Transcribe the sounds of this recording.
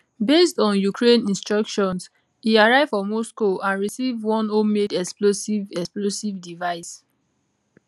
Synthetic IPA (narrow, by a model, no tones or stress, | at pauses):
bestɔ̃njukʰɹẽnĩnstɹɔkʃɔ̃ns | hiaɹaɪv̥fɔmɔskoãnɹisivwɔ̃nomedɛksplosivɛksplosivdivaɪs